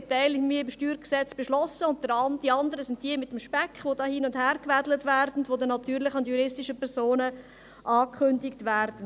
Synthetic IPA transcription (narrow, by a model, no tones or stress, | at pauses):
tɛɪlɪmiːɪmʃtyːɾksɛt͡sb̥eʃlɔsəʊnt̚d̥əɾɑnd̥iɑndəɾəsɪnt̚d̥iəmɪtːəmʃpɛkχʋodɑːhiːnʊndhæːɾkvædlətvæɾdn̩tʋodənɑtyːɾlɪχəʊntjuɾɪstɪʃəpɛɾsoːnə | ʔɑːkʰχʏndɪktʋæɾd̥n̩